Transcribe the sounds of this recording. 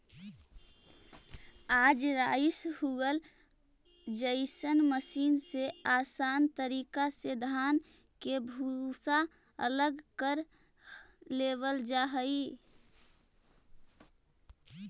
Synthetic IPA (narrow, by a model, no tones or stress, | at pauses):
aːd͡ʒɾaːɪshuɡəl | d͡ʒəɪsənməsiːnseaːsaːnt̪əɾiːkased̪ʱaːn | kebʱusa | ə̰ləɡkəɾ | leːwəld͡ʒaːɦəi